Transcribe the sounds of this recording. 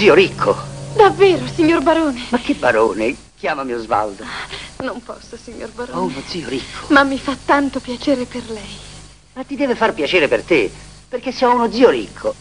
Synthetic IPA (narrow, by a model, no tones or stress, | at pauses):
ziːoɾikʰːod̪avːeːɾosiɲːorbaɾoːnemakːebːaɾoːne | k̟jaːmamiːozva̰ld̪onompɔ̰sːosiɲːo̰rbaɾoɔunod̪ziːoɾikʰːo̥mamːifat̪ːant̪opjat͡ʃeːɾeperlɛj | mat̪ːid̪ɛːvefarpjat͡ʃɛːɾepert̪eperk̟esːeɔunod̪ziːoɾḭkʰːo